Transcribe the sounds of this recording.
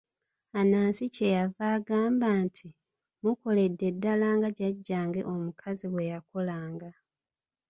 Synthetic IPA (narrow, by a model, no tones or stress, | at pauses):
anaːnsice̞javaːɡaːmbaːntʰi | muko̞le̞dːe̞dːalaːŋɡaɟaɟːaːŋɡe̞̰ʔo̞mukʰaziβwe̞jakolaːŋɡa